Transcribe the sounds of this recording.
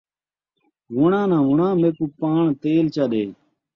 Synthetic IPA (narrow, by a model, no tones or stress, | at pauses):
ʋʊɳãːnãːʋʊɳãːmeːkuːpaːɳt̪eːlt͡ʃaːɗeː